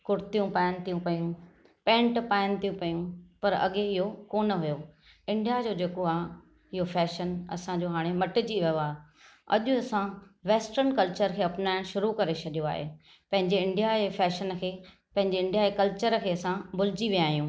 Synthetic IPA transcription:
kʊɾɪt̪ijũpaːjənɪ̆t̪ijũpɐjũ | pẽːɳʈpaːjənɪ̆t̪ʰijũpɐjũpɐɾɐ̰ɠeɪɦokoːnə̆ɦʊjo | ɪ̃ɳɖijad͡ʑoːd͡ʑeːkoaː | ɪɦofɛːʃənɐ̰sãd͡ʑoːɦaːɽ̃emɐʈɪ̆d͡ʑiʋɐjoaː | ɐ̰ʄʊɐsãʋeːsʈəɾnkɐlt͡ɕəɾkʰeːɐpɪnaːɪ̃ʃʊɾukɐɾet͡ɕʰɐɗijõa̰ːɦḛː | pɐ̃ɦɪ̃ɲd͡ʑeɪ̃ɳɖijaefɛːʃənkʰeː | pɐ̃ɦɪ̃ɲd͡ʑeɪ̃ɳɖijaekɐlt͡ɕəɾkʰeːɐsãbʊlɪd͡ʑiʋijaːjũː

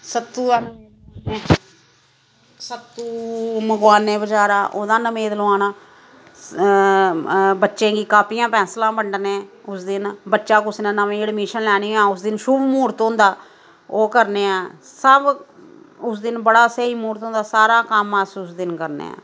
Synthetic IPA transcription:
sət̪ːuːaːnː | eː | sət̪ːuːməɡwaːnːeːbəd͡ʒaːɾaːʔoːd̪ãːnəmẽːd̪əlaːnaː | bətːʃẽːɡiːkaːpijãːpʰɛ̃ːslãːbəɳɖnẽːʊsd̪ɪnbətːʃaːkʊsnẽːnəʋẽːɽmiːʃənlɛːɽ̃iːãːʊsd̪ɪnʃʊbmuːɾt̪ɦõːnd̪aː | oːkəɾneːãːsəb | ʊsd̪ɪnbəɽaːseːiːmuːɾt̪ɦõːnd̪aːsaːɾaːkəmːɛːsuːsd̪ɪnkəɾnḛːã̰ː

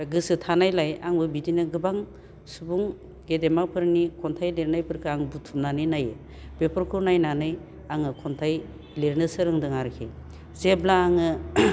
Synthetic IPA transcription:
ɡɯsɯtʰanajlajaŋbɯbidinɯɡɯbaŋ | subuŋ | ɡedemapʰɯɾnikʰɔntʰajleɾnajpʰɯɾkʰɯaŋbutʰumnanɯjnajɯ | b̥epʰɔɾkʰɯwnajnanɯj | aŋɯkʰɔntʰaj | leɾnɯsɯɾɯŋdɯŋaɾkʰḛ | zeblaːŋɯ

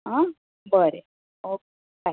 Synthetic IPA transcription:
ɦã | bəɾe | oke | a

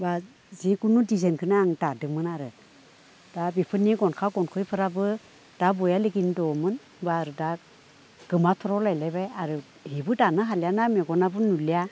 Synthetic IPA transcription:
ba | ziɡunudizenkʰɯnaːŋdadɯmɯnaɾɯ | d̥abipʰɯniɡɔnkʰaɡɔnkʰɯjpʰɯɾabɯ | d̥abɔjaliɡindɔmɯn | baːɾɯda | ɡ̥ɯmatʰɔɾɔlajlajbajaɾɯ | hibɯdanɯɦaljanameɡɔnabɯnulija

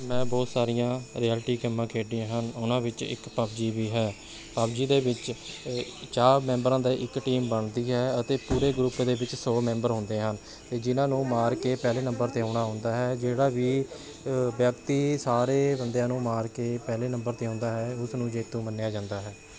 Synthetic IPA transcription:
mɛ̃ːbɔːt̪saːɾɪjãːɾiːɛːlʈiːkəmːãːkʰeːɖiãːɦənʊnãːʋɪt͡ʃɪ̰kpəbd͡ʒiːʋiːɦɛː | pabd͡ʒiːd̪eːʋɪt͡ʃ | t͡ʃaːɾmɛ̃ːmbɾãːd̪aːʔɪkʈiːmbəɳd̪iːɦɛːət̪eːpuːɾeːɡɾupd̪eːbɪt͡ʃsoːmɛ̃ːmbəɾɦʊ̃ːnd̪eːɦən | t̪eːd͡ʒɪnãːnũːmaːɾkeːpɛːleːnəmbəɾt̪eːõːɳ̃aːɦʊ̃ːnd̪aːɦɛːd͡ʒeːɽaːʋiː | bjəkt̪iːsaːɾeːbənd̪ejãːnũːmaːɾkeːpɛːleːnəmbəɾt̪eːõːnd̪aːɦɛːʊsnũːd͡ʒeːt̪ːõːmənːɪjaːd͡ʒãːnd̪aːɦɛː

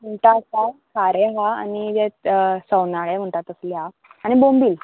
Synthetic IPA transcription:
muɳʈasakaɾeɦaa̰nid͡zesəwnaɭem̤əɳʈat̪əsleɦa | aɽ̃ibombiːl

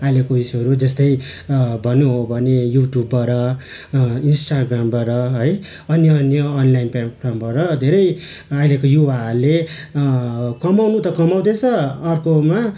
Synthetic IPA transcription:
ajlekoisʌɾud͡zʌst̪ʌjbʱʌnːuɦobʱʌnejuʈjubːʌɾʌ | insʈaɡrambʌɾʌɦʌj | ʌnjʌʌnjʌːnlajinpapʰrambʌɾʌd̪ʱeɾʌj | ajlekojuwaʌle | kʌmawnut̪ʌkʌmaw̃d̪et͡sʰʌʌrkoma

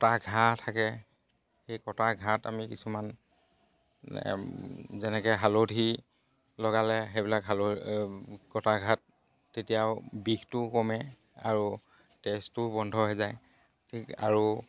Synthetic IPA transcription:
ktaɡʱatʰakɛ | xejkɔtaɡʱata̰mikisuman | zɛnɛkɛɦalodʱi | lɔɡalɛxebilakɦalo | kɔtaɡʱat̚ː | etijaʊbiktʊkɔmɛ | aɹu | tɛstʊbɔndʱɔɦezaj | tʰika̰ɹu

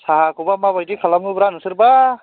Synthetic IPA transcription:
saɦakubamabajdikʰalamɡubɾanusɯɾba

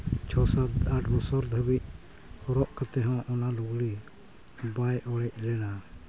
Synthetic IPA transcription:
t͡ʃʰɔsad̪aɖbɔsɔɾd̪ʱəbic̚ | hɔɾɔʔkat̪ɛɦãwʔɔnaluɡɽi | bajɔɽɛc̚ˀlɛna

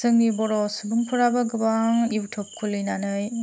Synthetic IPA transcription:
sɯŋnibɔɾɔsɯbɯŋpʰɯɾabaɡɯbaŋiwtʰɔp̚kʰulɯjnanɯj

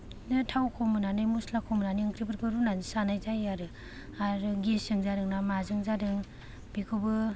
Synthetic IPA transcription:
nɯtʰawkʰɔmɯnanajmuslakʰɔmɯnaniɯŋkʰɾibɯɾkʰɯɾunanisanajzajaɾɯ | aɾɯɡisɯŋzaɾɯŋnamazɯŋzadɯŋ | b̥ikʰubɯ

